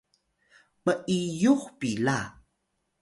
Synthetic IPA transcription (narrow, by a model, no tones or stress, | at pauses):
məʔijuxpila